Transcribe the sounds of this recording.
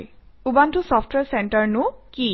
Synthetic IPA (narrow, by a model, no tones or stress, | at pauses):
j | ubantʊsɔfʰtwɛɹsɛntəɹnʊki